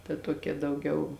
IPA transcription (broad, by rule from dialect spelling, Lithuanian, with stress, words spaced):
tɐ ˈtuɔkʲɛ dɐʊˈɡʲɛʊ